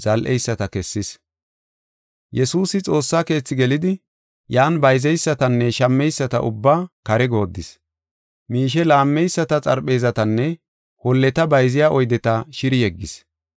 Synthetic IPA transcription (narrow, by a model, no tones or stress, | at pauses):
z̥ɐlʔɛjsːɐt̪ɐkɛsːɪs | jɛsuːsɪt͡sʼo̞ːsːaːke̞ːt͡sːɪɡɛlɪd̪ɪ | jaːnbɐjzɛjsːɐt̪ɐnːɛʃɐmːɛjsːɐt̪ɐʔʊ̰bːaːkɐɾɛɡo̞ːd̪ːɪs | miːʃ̬ɛlaːmːɛjsːɐt̪ɐt͡sʼɐ̰ɾɓe̞ːzɐt̪ɐnːɛ | hɔlːɛt̪ɐbɐjzɪjaːʔɔjd̪ɛt̪ɐʃɪɾɪjɛɡːɪs